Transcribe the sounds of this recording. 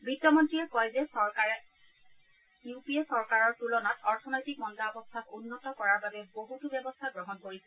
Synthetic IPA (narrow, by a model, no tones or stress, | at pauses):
bɹitːɔmɔntɹiɛkɔjzɛsɔɹkaɹɛ | jupiɛsɔɹkaɹɔɹtulɔnatɔɹtʰɔnɔjtik̚mɔndaɔbɔstʰakunːɔtɔkɔɹaɹbabɛboɦutubjɛbɔst̪ʰaɡɹɔɦɔnkoɹisɛ